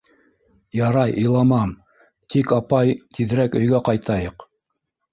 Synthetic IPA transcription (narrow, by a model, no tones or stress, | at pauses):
jɑɾɑjʔɤ̆jlˠɑmɑm | t̪ikɑpɑjt̪iðɾækɵ̆jɡæqɑjt̪ɑjɤq